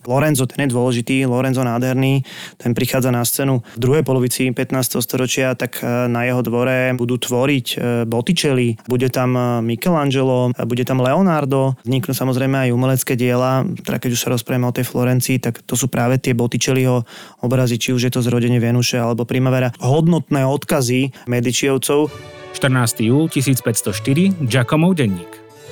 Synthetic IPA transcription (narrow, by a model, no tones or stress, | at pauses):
flɔɾɛnzɔt̪ɛnjɛd̪ʊɔlɛʒit̪iːlɔɾɛnzɔnaːd̪ɦɛɾniːt̪ɛnpɾixaːd͡zanast͡sɛːnuvd̪ɾuɦɛjpɔlɔʋit͡sipɛt̪naːst̪ɛɦɔst̪ɔɾɔt͡ʃɪat̪aknajɛɦɔd̪ʋɔɾɛbud̪uːt̪ʋɔɾicbɔt̪it͡ʃɛlibuɟɛt̪ammikɛland͡ʒɛlɔbuɟɛt̪amlɛɔnaɾd̪ɔzɲiknusamɔzɾɛjmɛajumɛlɛt͡skɛːɟɪɛlat̪ɛd̪akɛɟuʃsaɾɔspɾajɛmɛɔt̪ɛjflɔɾɛnt͡siːt̪akt̪ɔs̬uːpɾaːʋɛt̪ɪɛbɔt̪it͡ʃɛliɦɔ | ɔbɾazit͡ʃiuʒjɛt̪ɔzɾɔɟɛɲɪɛvɛnuʃɛalɛbɔpɾimaʋɛɾaɦɔd̪nɔt̪nɛːɔt̪kazimɛd̪it͡ʃiɔʊt͡sɔʊʃt̪r̩naːst̪ijuːlcisiːt͡spɛcst̪ɔʃt̪iɾid͡ʒakɔmɔʊɟɛɲːiːk